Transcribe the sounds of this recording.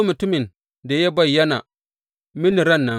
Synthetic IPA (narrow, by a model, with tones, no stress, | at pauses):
mu˨tu˦mi˨n | de˨je˦ba˦˨ja˦na̰˨ | mi˦ni˨ɾa˦˨nːa˨